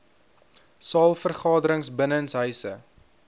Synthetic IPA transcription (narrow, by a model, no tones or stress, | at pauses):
sɑːlˠfərχɑːdəɾəŋsbənənsɦœɥsə̰